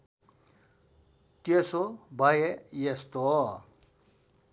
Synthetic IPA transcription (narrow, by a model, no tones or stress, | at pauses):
t̪jesobʱajejest̪o